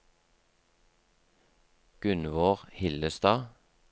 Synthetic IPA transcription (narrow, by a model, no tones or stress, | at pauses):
ɡ̥ʉnʋoːʁhɪləst̪ɑː